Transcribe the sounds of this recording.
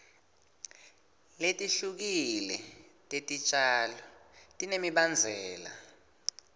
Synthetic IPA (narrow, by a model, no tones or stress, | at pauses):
letʼiɬuk̬ilɛ̰tʼetʼit͡ʃʼaːlɔtʼinemiɓand͡zʱɛːla̰